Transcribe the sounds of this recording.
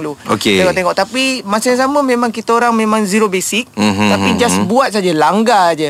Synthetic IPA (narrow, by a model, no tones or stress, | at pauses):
luo̰keeŋɔʔt̪eŋɔʔt̪apimasaaŋsaməmẽmãŋkit̪əoɾaŋmẽmãŋziɾobesik̚t̪apid͡ʒasbuat̪̚sad͡ʒalaŋɡad͡ʒə